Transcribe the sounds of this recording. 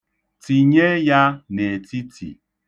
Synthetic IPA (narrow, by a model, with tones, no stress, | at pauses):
ti˨ɲe˦ja˦ne˨ti˦tʰḭ˨